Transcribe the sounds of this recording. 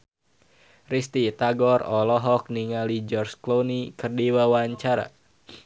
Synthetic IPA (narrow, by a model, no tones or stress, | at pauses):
rist̪it̪aɡɔrɔlɔɦɔk̚niŋalid͡ʒɔrsklonikərdiwawaɲt͡ʃaɾa̰